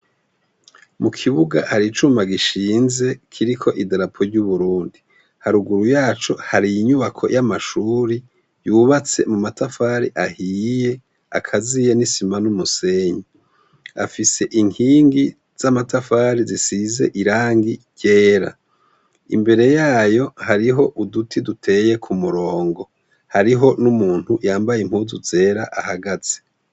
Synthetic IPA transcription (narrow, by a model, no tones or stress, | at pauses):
mukʰiβuɡahaɾit͡ʃumaɡiʃiːnze̞kʰiɾikʰo̞ʔidaɾapʰo̞ɾɟuβuɾuːndi | haɾuɡuɾujaːt͡ʃo̞haɾijiɲuβakʰo̞̰jʔamaʃuːɾi | juːβat͡se̞mumatafaːɾiʔahiːje̞ | a̰kʰazijenisimanumuse̞ɲi | a̰fise̞ʔiŋiːŋɡi | z̥amatafaːɾizisize̞̰ʔiɾaːŋɡi | ɟe̞ːɾa̰ | ḭmbe̞ɾe̞jaːjo̞haɾiɦo̞ʔudutʰidutʰe̞ːje̞kʰumuɾo̞ːŋɡo̞ | haɾiɦo̞numuːn̥hujaːmbajem̥huzuze̞ːɾaʔahaɡaz̥e̥